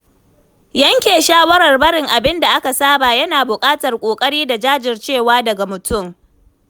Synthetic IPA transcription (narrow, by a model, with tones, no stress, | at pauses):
jɐ˦ŋkʲeː˨ʃaː˦wɐ˦ɽɐ˨rbɐ˦ɽɪ˨ŋʔa˨bɪ˦nda˨ʔa˦ka˨saː˦baː˨jɐ˦naː˨bʊ˨kʼaː˦tɐ˨rkʷʼoː˨kʼɐ˦ɽiː˦da˨d͡ʒaː˦d͡ʒɪ˨rt͡ʃeː˦˨waː˦dɐ˨ɡa˨mʊ˨tʊ˦˨m